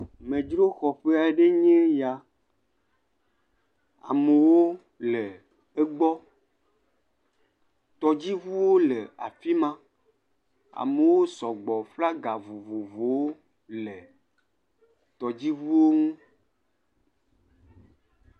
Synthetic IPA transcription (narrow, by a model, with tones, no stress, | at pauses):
mẽ˨d͡ʒɾo˦xɔ˨ɸe˦a˨˦ɖe˦ɲẽ˦ja˨ | a̰˨me˨wo˦ | lɛ˨ | e˦ɡ͡bɔ˦ | t̪ɔ˨d͡ʑi˦vu˦wo˦le˨a̰˨fi˦mã˦ | a̰˨me˨wo˦sɔ˨ɡ͡bɔ˨fla˦ɡa˨vo˨vo˨vo˨wo˦ | le˨ | t̪ɔ˨d͡ʑi˦vu˦wo˦ŋũ˦